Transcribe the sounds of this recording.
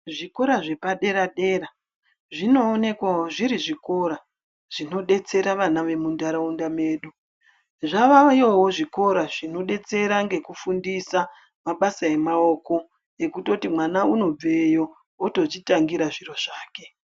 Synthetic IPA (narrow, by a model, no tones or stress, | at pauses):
ʐiko̞ɾaʐe̞paɗe̞ɾaɗe̞ːra | ʐino̞ːne̞kwaɦoʐiɾiʐiko̞ɾa | ʐ̥ino̞ɗe̞t͡se̞ɾaʋanaʋe̞mundaɾaundame̞ːɗu | ʐaʋajoɦoʐiko̞ɾaʐino̞ɗe̞t͡se̞ɾaŋɡe̞kufundisa | maɓasae̞mao̞ko̞ | ekuto̞timwanauno̞b͡vejo̞ | oto̞t͡ʃitaŋɡiɾaʐiro̞ʐ̥aːke̞